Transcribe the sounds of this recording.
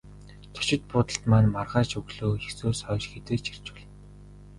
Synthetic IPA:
t̪ʰɵ̥t͡ɕɪ̆t̪̚pʊːt̪ə̆ɬt̪maːnmarʁaːt͡ɕɵɣɮoːxesoːsœːt͡ɕxet̪ĕːt͡ɕir̥t͡ɕʊ̥̆ɮ

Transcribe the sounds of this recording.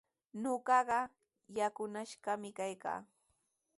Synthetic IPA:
noɢɑɢɑ | jakʊnaʃɢɑmɪkajka̰ː

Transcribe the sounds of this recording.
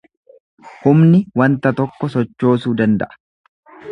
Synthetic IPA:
hʊmnɪwɐnt̪ɐt̪ɔkːɔsɔt͡ʃːo̞ːsuːd̪ɐnd̪ɐ̰ʔɐ̥

